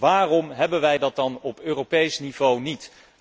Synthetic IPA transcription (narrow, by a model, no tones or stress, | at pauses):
ʋaːrɔmɦɛbənʋɛjdɑt̚dɑnɔpøːrowpejsnivownit